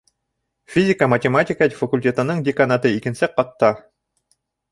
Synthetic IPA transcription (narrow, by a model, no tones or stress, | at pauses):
fʲizʲɪkəmɐtʲɛmatʲɪkad̪ʲfɐkulʲtʲet̪ɤ̆nɯɴd̪ʲɪkɐnat̪ɯikɘ̆nsɛqːɑt̪ːɑ